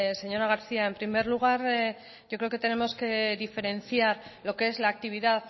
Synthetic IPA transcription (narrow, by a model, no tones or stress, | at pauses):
se̞ɲo̞ɾaɣ̞aɾθiae̞mpɾime̞ɾluɣ̞aɾ | ʝokɾeoket̪e̞ne̞mo̞ske̞ðife̞ɾe̞nθjaɾlo̞ke̞ezlaːk̚t̪iβ̞iðað